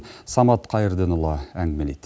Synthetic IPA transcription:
sɑmɑt̪qʰɑjəɾd̪enʊlˠːɑæŋɡmelejt̪

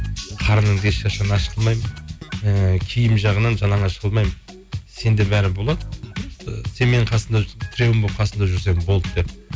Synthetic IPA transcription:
qʰɑɾənəɴbesʃɑʃɑnɑʃəqəlˠmɑjmənəkʲʰijɪmʒɑʁənɑnʒɑnɑɴɑʃəʁəlˠmɑjmən | se̞nd̪e̞bæɾɪbo̞lˠɑd̪ə | se̞nme̞nɴqʰɑsənd̪ɑt̪ʰɪɾewɪmbop̚qʰɑsənd̪ɑʒʏɾs̬e̞mɪnbo̞lˠd̪əd̪̥e̞p

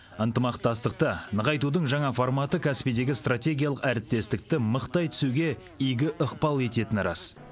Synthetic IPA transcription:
ənt̪əmɑqt̪ɑs̬t̪əqt̪ənəʁɑjt̪ud̪əɴʒɑɴɑfoɾmɑt̪əkʲʰɑspid̪e̞ɡʲɪst̪rat̪ʲe̞ɡʲijalˠəqæɾɪp̚t̪ːe̞st̪ɪk̚t̪ɪməqt̪ɑjt̪ʰʏ̥suɡʲe̞ | ijɡʲɪʔəqpɑlˠe̞t̪e̞t̪ɪnɾɑ̰s

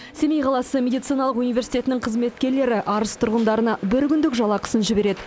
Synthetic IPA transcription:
semejqʰɑlˠɑsəmʲe̞d̪ijt̪sijnɑlˠəqunijvʲe̞ɾsijt̪e̞t̪ɪnɪɴqʰəzme̞t̪kʲe̞ɾle̞ɾɪʔʔɑɾəst̪ʰʊɾʁənd̪ɑɾənɑbɪɾkʲʏnd̪ɪkʒɑlˠɑqʰə̥sənʒɪbe̞ɾe̞d̪ɪ

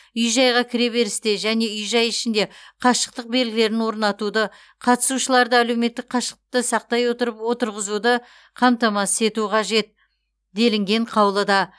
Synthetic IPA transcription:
ʏjʒɑjʁɑkʲʰɪɾe̞be̞ɾɪst̪eʒæne̞ʏjʒɑjɪʃɪnd̪e̞qʰɑʃə̥q̚t̪əq̚be̞lɡʲɪle̞ɾɪnwo̞ɾnɑt̪ud̪ə | qʰɑt̪ə̥suʃəlˠɑɾd̪əæle̞wme̞t̪ːɪk̚qʰɑʃə̥q̚t̪ət̪əsɑq̚t̪ɑjwo̞t̪əɾəpwo̞t̪əɾʁəzud̪ə | qʰɑmt̪ɑmɑsəse̞t̪uqʰɑʒe̞t̪̚ | d̪e̞lɪŋɡʲe̞ɴqʰɑwlˠəd̪ɑ

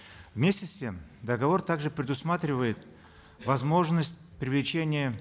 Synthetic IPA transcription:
vmʲesʲtʲɪsʲtʲe̞md̪əɡɐvo̞rt̪aɡʐɨpɾʲɪd̪ʊsmat̪ɾʲɪvəjɪt̪ | vɐzmo̞ʐnəsʲtʲpɾʲɪvlʲɪt͡ɕenʲɪjə

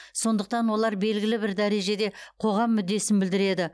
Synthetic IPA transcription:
so̞nd̪əq̚t̪ɑnwo̞lˠɑɾbe̞lɡʲɪlɪbɪɾd̪æɾe̞ʒe̞d̪e̞qʰo̞ʁɑmːʏd̪ːe̞sɪnbɪld̪ɪɾe̞d̪ɪ

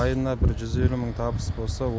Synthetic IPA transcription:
ɑjənɑbɪɾʒʏze̞luməɴt̪ʰɑbəsbo̞lˠsɑw

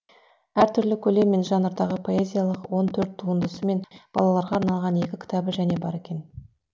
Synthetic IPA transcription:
æɾt̪ʰʏɾlɪkʲʰɵle̞mːe̞nʒɑnəɾd̪ɑʁəpʰo̞e̞zʲijalˠəqwo̞nt̪ʰɵɾt̪ʰːuənd̪əsəme̞nb̥ɑlˠɑlˠɑɾʁɑːɾnɑlˠʁɑne̞kʲɪkʲʰɪ̥t̪ɑbɪʒæne̞bɑɾe̞kʲe̞n

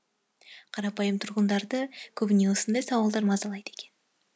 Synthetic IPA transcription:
qʰɑɾɑpɑjəmt̪ʰʊɾʁənd̪ɑɾd̪əkʲʰɵbɪne̞wosənd̪ɑjsɑwɑlˠd̪ɑɾmɑzɑlˠɑjd̪əe̞kʲe̞n

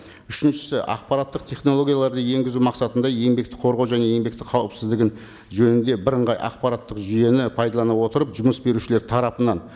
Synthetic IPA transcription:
ʏʃɪnʃɪ̥sɪʔɑ̰q̚pɑɾɑt̪ːəqt̪ʰe̞χnolˠo̞ɡʲijalˠɑɾd̪əje̞ŋɡʲɪzumɑqsɑt̪ənd̪ɑje̞mbe̞kt̪ɪ̥qʰo̞ɾʁɑwʒæne̞je̞mbe̞k̚t̪ɪqʰɑwəpsɪzd̪ɪɡʲɪn | ʒɵnɪnd̪e̞bɪɾəɴʁɑjʔɑ̰qpɑɾɑt̪ːəqʒije̞nɪpʰɑjd̪ɑlˠɑnɑwo̞t̪əɾəpʒʊməsbe̞ɾuʃɪleɾt̪ʰɑɾɑpənɑn

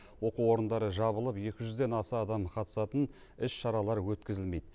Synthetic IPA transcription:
wo̞quwo̞ɾənd̪ɑɾəʒɑβəlˠəpje̞kʲɪʒʏzd̪e̞nɑsɑːd̪ɑmqʰɑt̪ə̥sɑt̪ən | ɪsʃɑɾɑlˠɑɾwɵt̪kʲɪzɪlme̞jd̪ɪ

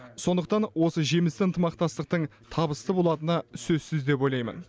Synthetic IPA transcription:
so̞nd̪əq̚t̪ɑnwo̞səʒemɪst̪ɪənt̪əmɑq̚t̪ɑst̪əq̚t̪əɴ | t̪ʰɑbəst̪əbo̞lˠɑt̪ənɑsɵzsɪzd̪e̞pwo̞jlɑjmə̰n

